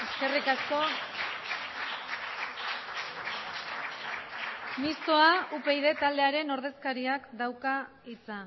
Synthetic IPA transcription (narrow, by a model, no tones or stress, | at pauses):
e̞ske̞rikasko̞ | mist̪o̞aupe̞jðe̞t̪ald̪e̞aɾe̞no̞ɾð̞e̞skaɾiakd̪awka | it͡sa